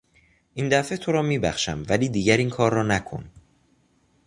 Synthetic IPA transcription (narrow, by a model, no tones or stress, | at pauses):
ʔiːnd̪æfe̞t̪ʰo̞ɾɒːmiːbæxʃæmvæliːd̪iːɟæɾiːnkʰɒːɾːɒːnækʰo̞̰n